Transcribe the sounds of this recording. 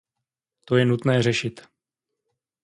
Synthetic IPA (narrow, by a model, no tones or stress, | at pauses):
t̪ojɛnut̪nɛːrɛʃɪt̪